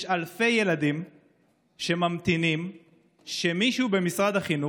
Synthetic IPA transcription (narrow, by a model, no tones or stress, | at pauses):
alfe̞je̞lad̪im | ʃemamt̪inim | ʃemiʃube̞misʁad̪haχinu